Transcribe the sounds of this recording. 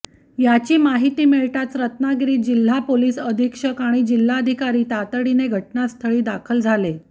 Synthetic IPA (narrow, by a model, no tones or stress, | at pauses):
jat͡ɕiːmaɦit̪iːmeɭʈat͡s̪ɾət̪naɡɾiːd͡ʑil̤ːapoliːsəd̪ʱikʂəkaɽ̃id͡ʑil̤ːaəd̪ʱikaɾiːt̪at̪əɽineɡʱəʈnast̪ʰəɭiːd̪akʰəld͡zʱale